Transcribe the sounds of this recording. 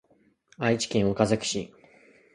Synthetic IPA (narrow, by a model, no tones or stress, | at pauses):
ait͡ɕi̥kʲẽɰ̃o̞kazakɯ̟̥ɕi